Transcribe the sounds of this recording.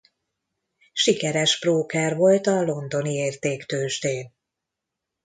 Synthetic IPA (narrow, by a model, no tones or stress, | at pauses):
ʃikɛɾɛʃproːkaːrvo̞lt̪ɒlo̞nd̪o̞nieːrt̪eːkt̪øːʒt̪eːn